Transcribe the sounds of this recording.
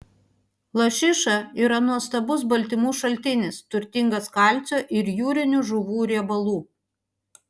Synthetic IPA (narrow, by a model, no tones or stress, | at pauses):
lˠɐʃʲɪʃɐiːɾɐnuɔst̪ɐbʊs̬bɐlʲt̪ʲɪmuːʃɐlʲt̪ʲɪnʲɪst̪ʊɾʲt̪ʲɪŋɡɐskɑˑlʲˑt̪sʲoːʔɪɾjuːɾʲɪnʲʊʒʊʋuːɾʲiɛbɐlˠuː